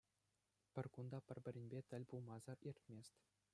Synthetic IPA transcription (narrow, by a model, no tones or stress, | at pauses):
pʲɘ̆rʲkund̪ɑpʲɘ̆rʲbʲɘ̆ɾʲɘ̆nʲbʲet̪ʲɘ̆lʲpulˠmɑzɤ̆rirʲt̪ʲmʲesʲtʲ